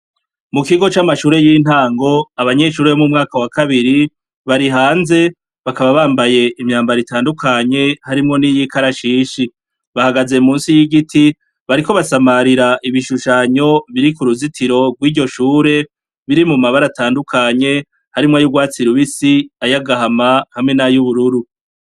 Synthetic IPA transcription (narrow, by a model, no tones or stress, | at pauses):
mukiɡo̞t͡ʃamaʃuːɾe̞jin̥haːŋɡo̞aβaɲe̞ʃuːɾeomumŋaːkawakaβiɾi | βaɾiɦaːnze̞ | βakaβaβaːmbaje̞ʔimɲaːmbaɾitaːndukʰaɲe̞haɾimŋo̞nijikʰaɾaʃiːʃi | βahaɡaze̞muːnsijiɡitʰi | βaɾiko̞βasamaɾiɾaʔiβiʃuʃaɲo̞βiɾikuɾuzitʰiɾo̞ɡwiːɾɟo̞ʃuːɾe̞ | βiɾimumaβaɾataːndukʰaɲe̞ | haɾimŋajuɡwaːt͡siɾuβisiajaɡaɦamahamŋe̞najuβuɾuɾu